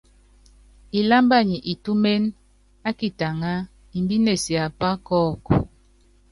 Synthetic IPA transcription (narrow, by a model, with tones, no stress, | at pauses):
i˨la˦mba˦˨ɲi˨ʔi˨tu˦me˦n | a˦ki˨ta˨ŋa˦ | i˨mbi˦ne˨si˨a˨pa˦kɔː˦˨kɔ˨